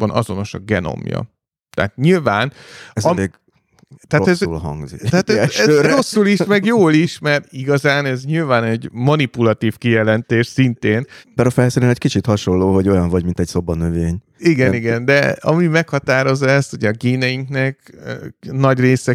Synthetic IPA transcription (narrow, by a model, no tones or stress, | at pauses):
bɒnʔɒ̰zo̞no̞ʃɒ̰ɡɛno̞̰mjɒ̰ | t̪ɛ̰ːt̪ɲilvaːnɒe | t̪ɛaːɛzszulɦɒ̰ŋɡzḭt̪ɛaːt̪ɛɛro̞sːuliʃmɛɡjoːliʃmɛrt̪iɡɒzaːnɛzɲilvaːnɛɟmɒnipulɒt̪iːfkijɛlɛnt̪eːʃsint̪eːnbɛɾɒfɛlsiɾɛnɛckit͡ʃit̪hɒʃo̞lːoːɦo̞ɟo̞jɒɱvɒɟmint̪ɛcso̞bːɒnøveːɲ | iɡɛniɡɛnd̪ɛɒmimɛkhɒt̪aːɾo̞zːɒɛst̪huɟɛɒɡeːnɛjiŋknɛkː | nɒɟreːsɛ